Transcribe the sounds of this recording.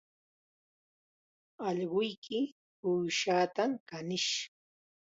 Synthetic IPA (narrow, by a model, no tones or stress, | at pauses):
ɑʎɢʊjkʰɪ | pujʃaːt̪amkanɪʃ